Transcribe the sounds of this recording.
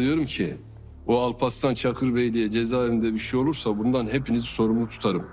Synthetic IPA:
ijo̞ɾumcʰi | oalˠpʰast̪ʰant͡ʃʰakʰɯɾbejlʲijɛd͡ʒe̞zaːevind̪ɛbiʃɛjo̞lˠuɾsabund̪anɦepiniziso̞ɾumut̪ʰu̥t̪ʰaɾɯm

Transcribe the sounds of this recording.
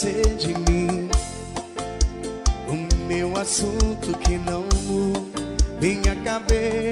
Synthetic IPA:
sed͡ʒɪmĩ | ʊmewasũt̪ʊkɪnɐ̃w̃ | vẽɲ̃akabe

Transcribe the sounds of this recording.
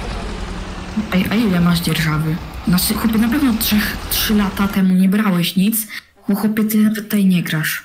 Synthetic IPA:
ʔajʔailɛmaʐd͡ʑɛɾʐavɘnaxɔpʲɛnapɛvnɔtʂɛxtʂɘlat̪at̪ɛmuɲɛbɾawɛɕɲit̪s | bɔxɔpʲɛt̪ɘnavɛt̪ːajɲɛɡɾaʂ

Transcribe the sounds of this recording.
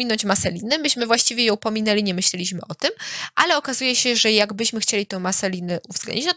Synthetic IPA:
inɔɲt͡ɕmasɛlʲinɛmɘɕmɘvwaɕt͡ɕivʲjɛjɔ̃w̃pɔmʲinɛlʲiɲɛmɘɕlʲɛlʲiɕmɘʔɔt̪ɘmʔalɛɔkazujɛɕɛʐɛjaɡbɘɕmɘxt͡ɕelʲit̪ɛ̃w̃masɛlʲinɛʔuvzɡlɛ̰nɲd͡ʑit͡ɕnɔ

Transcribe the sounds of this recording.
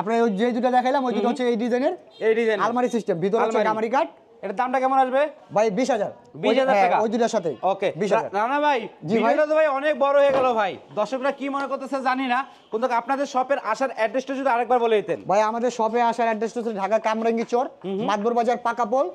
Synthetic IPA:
apnaojejd̪uʈad̪ɛkʰajlamojd̪uʈaɦotːɕʰeejɖid͡ʑajneɾ | ejɖizajalmaɾisisʈembʱit̪̬oɾot͡ɕʰːekamaɾikaɾɖ̚ | eʈad̪amʈakɛmonaʃbebʱajbiʃ̬ɦad͡ʑaɾ | bojʃad͡ʑaɾɦɛakaojd̪uʈaʃat̪ʰeokebiʃɦaaɾanabʱajd͡ʑiaat̪obʱajɔnek̚bɔɾoɦoeɡɛlobʱajd̪ɔɾʃokɾakimonekoɾt̪asead͡ʑanina | kont̪ʰokapnad̪eɾʃɔpeɾʔaʃaɾɛɖːesʈod͡ʑud̪iaɾɛk̚baɾboleet̪enbʱajamad̪eɾʃɔpeaʃaɾɛɖːesʈɦot͡ɕːʰeeɖʱakakamɾaŋɡit͡ɕoɾmad̪̚boɾbad͡ʑaɾpakapol

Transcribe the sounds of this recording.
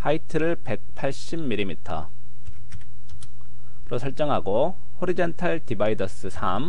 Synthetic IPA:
haitʰɯɾɯɭpe̞k̚pʰaɭɕ͈imːiɾimitʰʌ̰ | ɾosʰʌɭt͡ɕ͈ʌŋɦaɡo | hoɾid͡ʑʌntʰaɭtibaidʌs͈ɯsʰa̰m

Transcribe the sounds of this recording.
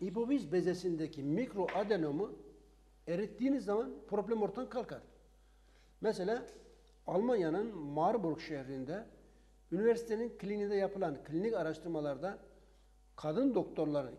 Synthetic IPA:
hipo̞vizbezesind̪ɛcʰimikɾoʔad̪eno̞mu | eɾit̪ːiːnizːamanpʰɾo̞blʲɛmo̞ɾt̪ʰankʰalˠkʰaɾ | mɛselʲaː | alˠmanjanɯnmaɾbuɾɡʃɛhɾind̪ɛ | yniveɾsi̥t̪ʰeninkʰlʲinid̪ɛjapʰɯlˠankʰlʲinikaɾaʃt̪ɯɾmalˠaɾɯd̪a | kʰad̪ɯnd̪o̞kt̪ʰo̞ɾlˠaɾɯ̰

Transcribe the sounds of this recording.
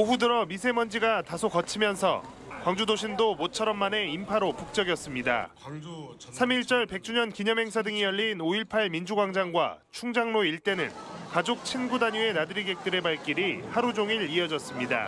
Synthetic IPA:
oɸudɯɾʌmisʰe̞mʌnd͡ʑiɡatasʰokʌt͡ɕʰimjʌnsʰʌ̰ | kwaŋd͡ʑudoɕʰindomot͡ɕʰʌɾʌmːane̞impʰaɾopuk̚t͡ɕ͈ʌɡjʌs͈ɯmɲida̰ | sʰamiɭt͡ɕ͈ʌɭpe̞k̚t͡ɕ͈uɲʌnkiɲʌmɦe̞ŋsʰadɯŋijʌɭːinoiɭpʰaɭmind͡ʑuɡwaŋd͡ʑaŋɡwa̰t͡ɕʰuŋd͡ʑaŋnoiɭt͈e̞nɯ̰nkad͡ʑok̚t͡ɕʰinɡudaɲue̞nadɯɾiɡe̞k̚t͈ɯɾe̞baɭk͈iɾihaɾud͡ʑoŋiɭiʌd͡ʑʌs͈ɯmɲida̰

